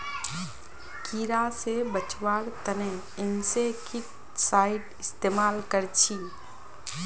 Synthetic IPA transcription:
kiːɾasebət͡ʃwaːɽt̪əne | ɪnsekʰɪʈ | saːɪʈɪst̪eːmaːlkəɾt͡ʃʰiː

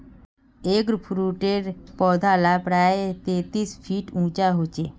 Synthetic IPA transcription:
eːkɾpʰɾuʈeɾpɔːd̪ʱalapɾaet̪eːt̪ispʰiʈũːt͡ʃaɦot͡ʃeː

